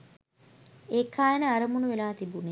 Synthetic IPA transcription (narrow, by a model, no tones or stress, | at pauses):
eːkːaːjənəaɾəmunuʋelaːt̪ibune